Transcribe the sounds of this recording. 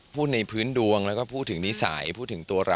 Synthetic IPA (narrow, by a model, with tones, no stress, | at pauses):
pʰuː˥˩t̪̚na˧jpʰɯː˦˥ndu˧əŋlɛ˦˥wkɔː˥˩pʰuː˥˩t̪ʰːɯ˩˦ŋni˦˥sa̰ː˩˦jpʰuː˥˩t̪̚ʰːɯ˩˦ŋt̪u˧ɐɾa˧